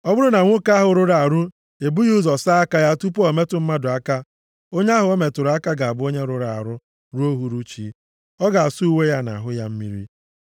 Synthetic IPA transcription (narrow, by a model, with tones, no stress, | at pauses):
ɔ˦bʊ˦ɾʊ˦na˨ŋʷo˦ka˦a˦ɦʊ˨ɾʊ˦ɾa˨ɾʊ˦ | e˨bu˦jzɔ˨sa˦a˦ka˦ja˦tu˦po˨me˦tʊ˨m̩˦ma˦dʊ˨a˦ka˦ | o˦ɲe˦a˦ɦʊ˨o˦me˨tʊ˨ɾa˦ka˦ɡa˨a˨bʊ˦o˦ɲe˦ɾʊ˦ɾa˨a̰˨ɾʊ˦ | ɾu˦o˦ɦu˦ɾu˦t͡ʃḭ˦ | ɔ˦ɡa˨a˨su˦u˦we˦ja˦na̰˨ɦʊ˦ja˦m̩˦mi˦ɾḭ˦